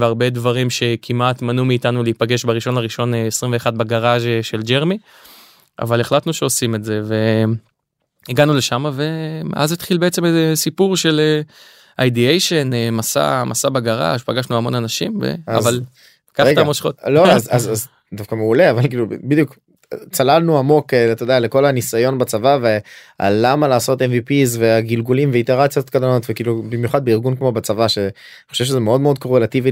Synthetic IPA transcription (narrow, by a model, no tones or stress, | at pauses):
veaʁbe̞dvaʁimʃe̞kʰimatmanumiːtanuleipaɡe̞ʃbaʁiʃo̞nhaʁiʃo̞neesʁimveːχad̚baɡaʁaʒʃe̞ld͡ʒeʁmi | ʔa̰valeχlat̪nuʃeo̞sime̞tze̞ve̞ | iɡanule̞ʃamave̞ʔazit̪χilbeet͡se̞mezesipuʁʃe̞le | ʔajdiejʃenemasa̰masabeɡaʁa̰ʃpaɡaʃnuamo̞nanaʃimvḛa̰zval | kaʁɡtamoʃχot̪loazazaz | d̪afkameuleavalkiːlubid̪juk | t͡salalnuamo̞ket̪od̪ealeko̞lanisajo̞nbat͡savave | a̰lamalaːso̞t̪envipizveaɡilɡulimveit̪eʁat͡sijot̪kalanot̪vekiːlubimjuχad̪beiʁɡunkmo̞bat͡savaʃe | nχoʃevʃezemeo̞d̪meo̞d̪̚ko̞ʁelat̪ivi